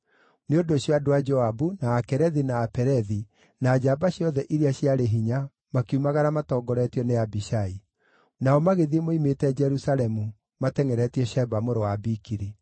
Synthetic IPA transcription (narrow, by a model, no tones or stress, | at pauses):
neodoɕjadowad͡ʒɔabunaːkɛɾɛðinaːpɛɾɛði | naːd͡ʒabaɕjɔðɛʔiɾiaɕiaɾeɦiɲa | makeumaɣaɾamatɔːɡɔɾɛtiɔneabiʃai | naɔmaɣeðiemoimetɛd͡ʒɛɾusalɛmu | matɛŋɛɾɛtiɛʃɛbamoɾowabikiɾi